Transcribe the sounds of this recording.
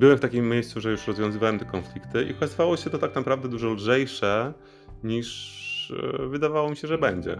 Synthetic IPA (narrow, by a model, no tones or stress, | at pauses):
bɘwɛmft̪akʲimːʲejst̪suʐɛjuʂɾɔzvjɔ̃zɘvawɛmt̪ɛkɔnflʲikt̪ɘʔḭɔkazɨvawɔɕɛt̪ɔt̪aknapɾavd̪ɛd̪uʐɔlʐɛjʂɛ | ɲiʂ | vɘd̪avawɔmʲiɕɛʐɛbɛɲd͡ʑɛ̰